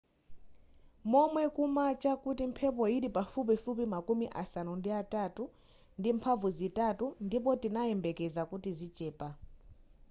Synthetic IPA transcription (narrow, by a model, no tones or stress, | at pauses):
mɔmwɛkumat͡ʃʼakutim̩pʰɛpɔiɾipafupifupimakumiʔa̰sanundiatʼatʼu | ndimpʰavuzitʼatundip̬ɔtinaɛmbɛkɛzakutizit͡ʃʼɛːpʼa